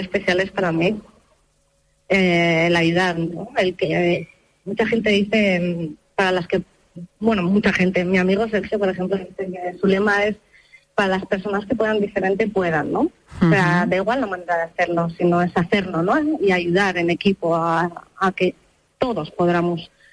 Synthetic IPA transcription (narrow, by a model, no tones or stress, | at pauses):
espe̞θjale̞spaɾami | eːlajuð̞aɾnoe̞lke | mut͡ʃaχe̞nt̪e̞ðiθe̞paɾalaske̞ | bwe̞nomut͡ʃaχe̞nt̪e̞miamiɣ̞o̞se̞lxjopo̞ɾe̞xe̞mploiθekesule̞mae̞s | paɾalaspe̞ɾs̬o̞naske̞p̬weðand̪ife̞ɾe̞nt̪e̞pwe̞ð̞anːo̞ | seaðeiɣwalnamãne̞ɾaðeaθe̞ɾno̞sino̞e̞saθe̞ɾnono̞iaʝuð̞aɾe̞nekipo̞aːke̞ | t̪o̞ðo̞spo̞ð̞ɾamos